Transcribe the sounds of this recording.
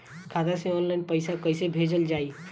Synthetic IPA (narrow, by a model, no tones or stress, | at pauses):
kʰat̪asẽɔnlaɪnpəɪsakəsebʱed͡ʒəld͡ʒaːi